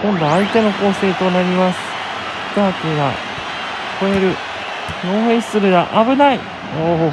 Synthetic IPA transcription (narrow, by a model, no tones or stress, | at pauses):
kõ̞nɾaːit̪e̞no̞ko̞ːse̞ːt̪o̞naɾʲimasɨ̥ | t̪aːk̪ɯɡa̰ | kʰo̞eɾɯ̟ | no̞ːɦẽ̥sɨɾɯ̟d̪aʔabɯ̟nai | oːɦo